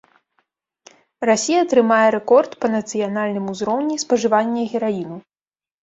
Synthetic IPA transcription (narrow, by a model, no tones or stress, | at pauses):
rasʲijɐːt̪ɾɨmajɛɾɛkɔrt̪pɐnɐt̪sɨjanalʲnɨmuzɾɔwnʲispɐʐɨvanʲːɐɣʲɛɾainu